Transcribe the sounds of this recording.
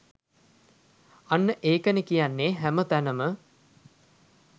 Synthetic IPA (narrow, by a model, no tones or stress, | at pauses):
anːəʔeːkənəkijanːeːɦæmət̪ænəmə